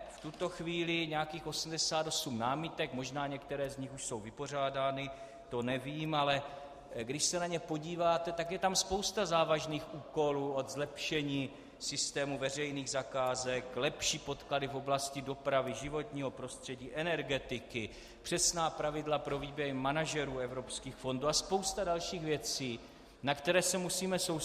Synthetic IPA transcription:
ft̪ut̪o̞xviːlɪɲɛakiːxo̞sm̩dɛsaːt̪o̞sumnaːmɪt̪ɛkmo̞ʒnaːɲɛkt̪ɛɾɛːzɲɪxuʃso̞wvɪpo̞r̝aːdaːnɪ | t̪o̞nɛviːmalɛ | ɡdɪʃsɛnaɲɛpo̞ɟiːvaːt̪ɛt̪akjɛt̪amspowst̪azaːvaʒniːxuːko̞luːo̞d̪zlɛpʃɛɲiː | sɪst̪ɛːmuvɛr̝ɛjniːɣzakaːzɛklɛpʃiːpo̞t̪kladɪfo̞blascɪdo̞pɾavɪʒɪvo̞t̪ɲiːɦo̞pɾo̞st̪r̝̥ɛɟiːʔɛnɛɾɡɛt̪ɪkɪ | pr̥ɛsnaːpɾavɪdlapɾo̞viːbjɛɾmanaʒɛɾuːɛvɾo̞pskiːxfo̞nduːaspo̞wst̪adalʃiːxvjɛt͡siː | nakt̪ɛɾɛːsɛmusiːmɛsow

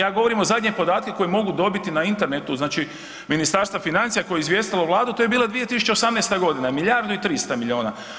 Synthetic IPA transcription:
jaːɡo̞ʋo̞ɾimo̞zad̪ʲɲepo̞d̪aːt̪̚ke̞ko̞jemo̞ɡud̪o̞bit̪inaint̪e̞ɾnet̪uznaːt͡ʃi | minist̪aːɾst̪ʋafinant̪sijako̞jeizʋje̞st̪iloʋlˠaːd̪ut̪oje̞biːlˠad̪ʋije̞t̪isu̥t͡ɕesamnest̪aɡo̞d̪inamiʎʲaɾd̪uit̪ɾist̪amiʎʲio̞ːnaː

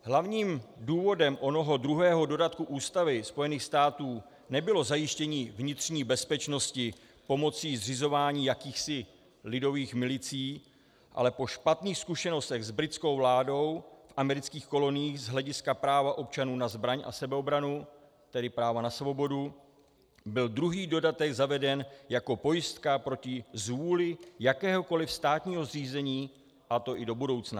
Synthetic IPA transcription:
ɦlavɲiːmduːvo̞dɛmʔo̞no̞ɦo̞dɾuɦɛːɦo̞do̞dat̪̚kuʔuːst̪avɪspo̞jɛniːxst̪aːt̪uː | nɛbɪlo̞zajɪʃcɛɲiːvɲɪt̪r̝̥ɲiːbɛspɛt͡ʃno̞scɪ | po̞mo̞t͡siːzrɪzo̞vaːɲiːjakiːxsɪ | lɪdo̞viːxmɪlɪt͡siː | ʔa̰lɛpo̞ʃpat̪niːxskuʃɛno̞st̪ɛɣzbɾɪt̪t͡sko̞wvlaːdo̞wfʔamɛɾɪt͡skiːxko̞lo̞nɪjiːxzɦlɛɟɪskapɾaːvaʔo̞p̚t͡ʃanuːnazbɾaɲʔa̰sɛbɛobɾanu | t̪ɛdɪpɾaːvanasvo̞bo̞du | bɪldɾuɦiːdo̞dat̪ɛɡzavɛdɛnjako̞po̞jɪst̪kapɾo̞cɪzvuːlɪjakɛːɦo̞ko̞lɪfst̪aːt̪ɲiːɦo̞zr̝iːzɛɲiː | ʔat̪o̞ʔɪdo̞budo̞wt͡sna

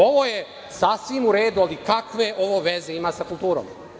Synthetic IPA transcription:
o̞ʋo̞je | sasʋimuɾe̞ːd̪ualikakʋe̞ʔo̞ʋoʋeze̞imaːsakulˠt̪uːɾo̰m

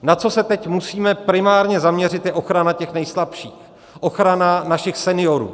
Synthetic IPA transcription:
nat͡so̞sɛt̪ɛcmusiːmɛpɾɪmaːɾɲɛzamɲɛr̝ɪt̪jɛʔo̞xɾanacɛxnɛjslapʃiːx | ʔoxɾananaʃɪxsɛnɪjo̞ɾṵː

